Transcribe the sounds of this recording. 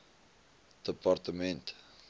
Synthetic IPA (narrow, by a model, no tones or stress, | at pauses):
d̪̥əpart̪əmɛ̃nt